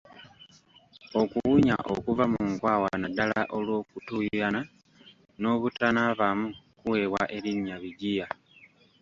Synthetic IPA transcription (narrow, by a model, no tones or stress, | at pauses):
o̞kuwuɲa̰ʔo̰kuvamuŋkwawanadalaʔo̞lwo̞ːkutujjana | no̞ːβutanaβamukuwe̞waʔe̞ɾiɲiaβiɟija